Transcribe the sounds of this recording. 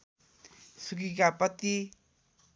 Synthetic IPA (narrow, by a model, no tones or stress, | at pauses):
sukikapʌt̪i